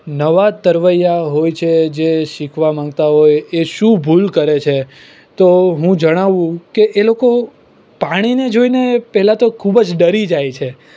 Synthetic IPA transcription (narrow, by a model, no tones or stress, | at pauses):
nəʋat̪əɾʋəjaɦojt͡ʃʰed͡ʒeʃikʰʋamãŋɡt̪aɦojeʃũbʱulkəɾet͡ʃʰe | t̪oɦũd͡ʒəɽ̃aʋũkeʔeloko | paɽ̃ined͡ʒoinepɛɦɛlat̪okʰubd͡ʒɖəɾid͡ʒajt͡ʃʰe